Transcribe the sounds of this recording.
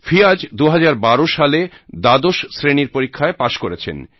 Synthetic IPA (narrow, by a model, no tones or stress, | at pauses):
fʰiad͡ʑd̪uɦad͡ʑaɾbaɾoʃale | d̪ad̪oʃsɾeniɾpoɾikʰːaepaʃkoɾet͡ɕʰḛn